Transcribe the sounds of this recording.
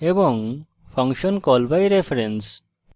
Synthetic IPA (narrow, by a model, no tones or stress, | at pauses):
ebɔŋ | pʰʌŋkʃɔnkɔlbajɾepʰɾens